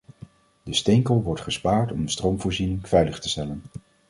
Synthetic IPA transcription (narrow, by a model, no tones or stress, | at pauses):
dəstejŋkəlˠʋɔɹtχəspaːɹtɔmdəstrowmvʊːɹzinɪŋvɛjləχtə̥stɛlən